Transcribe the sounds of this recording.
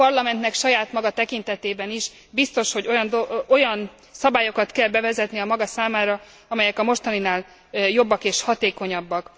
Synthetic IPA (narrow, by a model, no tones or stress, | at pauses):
pɒrlɒmɛnt̪nɛkʃɒjaːt̪mɒɡɒt̪ɛkint̪ɛt̪eːbɛniʃ | bist̪o̞ʃho̞ɟojɒnd̪oo̞jɒn | sɒbaːjo̞kɒt̪kɛlbɛvɛzɛt̪niɒmɒɡɒsaːmaːɾɒ | ɒmɛjɛkɒmo̞ʃt̪ɒninaːl | jo̞bːɒkeːʃhɒt̪eːko̞ɲɒbːɒk